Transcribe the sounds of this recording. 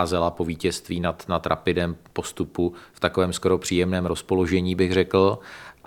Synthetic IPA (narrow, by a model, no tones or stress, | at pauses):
zɛlapo̞viːcɛst̪viːnat̪nat̪ɾa̰pɪdɛːmpo̞st̪upuft̪akovɛːmsko̞ɾo̞pr̝̥iːjɛmnɛːmɾo̞spo̞lo̞ʒɛɲiːbɪɣrɛkl̩